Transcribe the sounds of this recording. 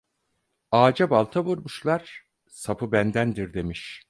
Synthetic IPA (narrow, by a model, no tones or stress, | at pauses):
aːd͡ʒabalˠt̪ʰaβuɾmuʃlˠaɾ̥ | sapʰɯbænd̪ænd̪iɾd̪e̞miʃ